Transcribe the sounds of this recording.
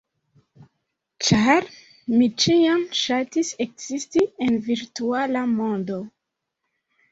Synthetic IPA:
t͡ʃaɾ | mit͡ʃiamʃatise̞kz̥istienviɾtualamo̞ndo̞

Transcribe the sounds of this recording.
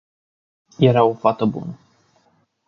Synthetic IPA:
jeɾao̞fat̪əbṵnə

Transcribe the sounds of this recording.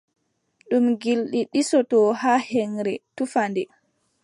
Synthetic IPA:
ɗumɡilɗiɗisɔtɔhahɛŋɾɛtufandɛ

